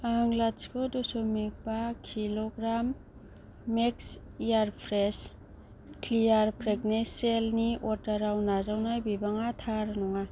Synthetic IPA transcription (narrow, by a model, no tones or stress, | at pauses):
aaŋlaskʰɔdɔsomik̚bakʰiloɡɾamː | eks | ijaɾpʰɾes | klijaɾpʰɾeɡneselniɔtaɾawnazawnajbibaŋatʰaɾnɔŋa